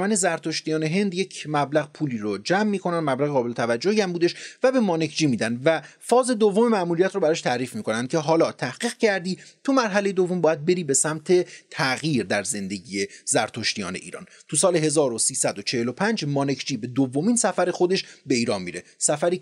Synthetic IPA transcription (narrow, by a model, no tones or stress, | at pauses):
mæne̞zæɾt̪ʰoʃt̪ijɒːne̞ɦe̞nd̪jecʰmæblæɣpʰuːliːɾod͡ʒæmːiːkʰo̞nænmæblæɣeɣɒːbelet̪ʰævæd͡ʒːohiæmbuːd̪eʃvæbe̞mɒːnekʰd͡ʒiːmiːd̪ænd̪væfɒːze̞d̪ovːomemæʔmuːɾijæt̪ɾobæɾɒːʃt̪ʰæɾiːfmiːko̞nænd̪̚cʰe̞ɦɒːlɒːt̪ʰæhɡ̥iːɣcʰæɾd̪iːt̪ʰumæɾɦælejed̪o̞vo̞mbɒːjæd̪̚be̞ɾiːbe̞sæmt̪ʰe̞t̪ʰæɣjiːɾd̪æɾze̞nd̪e̞ɟije̞zæɾt̪ʰoʃt̪ijɒ̰ːne̞̰ʔḭːɾɒ̰ːn | t̪ʰusɒːleɦe̞zɒːɾosiːsæd̪ot͡ʃʰe̞helopʰænd͡ʒmɒːne̞kʰd͡ʒiːbe̞d̪ovːomiːnsæfæɾe̞xo̞d̪e̞ʃbe̞iːɾɒːnmḭːɾesæfæɾiː